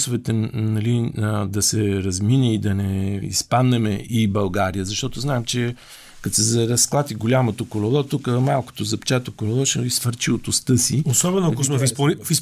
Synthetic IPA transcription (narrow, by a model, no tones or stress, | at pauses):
sʊvɛt̪ɛnɐlid̪ɐsɛɾɐzminɛid̪ɐnɛḭspad̪nɛmɛʔibɐlˠɡaɾijəzɐʃt̪ɔt̪oznaɛmt͡ʃɛ | kɐt̪sɛzɐɾɐsklˠat̪iɡolʲamot̪okolɛlˠɔt̪ukəmalˠko̥t̪ozɐpt͡ʃɛt̪okolɛlˠɔʃɛisfəɾt͡ʃiot̪ʊst̪ɤsiosɔbɛnoɐkosmɛfispolifis